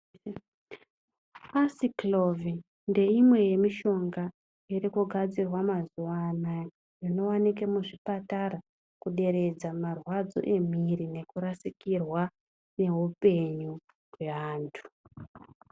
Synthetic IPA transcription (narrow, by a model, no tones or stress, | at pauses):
asiklo̞vi | nde̞imwe̞je̞miʃo̞ŋɡa | iɾikuɡʱad͡zirwamazuwana | rino̞wanikemuʐipatara | kuɗe̞ɾe̞d͡zamarwad͡zo̞̰ʔe̞m̤irine̞kuɾasikirwa | ne̞ɦupe̞ɲu | ɦwe̞ʋaːntʰu̥